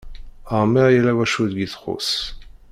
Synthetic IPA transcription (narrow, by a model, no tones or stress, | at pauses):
aʁmɛʁjelawaʃud̪ɡiθχo̰s